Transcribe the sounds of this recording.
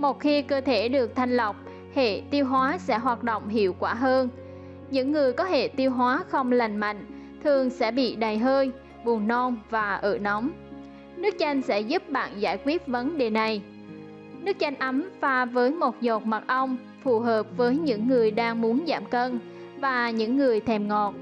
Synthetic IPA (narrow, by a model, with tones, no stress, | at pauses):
mo˨˩t̚xi˧kəː˧t̪ʰe˧˩ɗɨ˨˩ək̚t̪ʰa˧jŋ̟lə˨˩wk͡p̚ | hḛ˧˨t̪i˧əwɦwaː˨˦sɛ̰˧˥ɦwaː˨˩t̚ɗo̰˧˨wŋ͡mɦḭ˧˨əwkwaː˧˩ɦəː˧n | ɲɨ̰˧˥ŋːɨ˨˩əjkɔ˨˦hḛ˧˨t̪i˧wɦwaː˨˦xə˧wŋ͡mla˨˩jŋ̟ma̰˧˨jŋ̟ | t̪ʰɨ˨˩əŋsɛ̰˧˥ɓḭ˧˨ɗa˨˩jɦəː˧j | ɓu˨˩ənːɔ˧nvaː˨˩ʔəː˧˩nɔ˨˦wŋ͡m | nɨ˦˥ək̚t͡ɕa˧jŋ̟sɛ̰˧˥zu˦˥p̚ɓa̰ː˧˨nzaː˧˩jkwi˦˥ət̚və˨˦nɗe˨˩na˨˩j | nɨ˦˥ək̚t͡ɕa˧jŋ̟ʔa˨˦mfaː˧vəː˨˦jmo˨˩t̚zɔ˨˩t̚ma˨˩t̚ʔə˧wŋ͡m | fu˨˩ɦəː˨˩p̚vəː˨˦jɲɨ̰˧˥ŋːɨ˨˩əjɗaː˧ŋmu˨˦ənza̰ː˧˩mkə˧n | vaː˨˩ɲɨ̰˧˥ŋːɨ˨˩əjt̪ʰɛ˨˩mŋɔ˨˩t̚